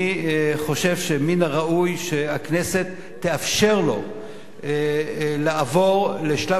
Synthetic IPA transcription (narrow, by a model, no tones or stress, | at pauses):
iχo̞ʃe̞vʃeminaʁaʔujʃeakne̞se̞t̪ʰːeafʃe̞ʁlo̞̰ | laːvo̞ʁleʃla